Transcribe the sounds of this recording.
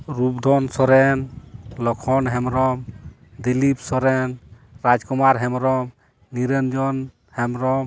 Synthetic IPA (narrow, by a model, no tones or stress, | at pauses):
ɾubd̪ʱɔnsɔɾɛnlɔkʰɔnɦɛmɾɔm | d̪ilip̚sɔɾɛn | ɾad͡ʒkumaɾɦɛmɾɔm | niɾɛnd͡ʒɔn | hɛmɾɔm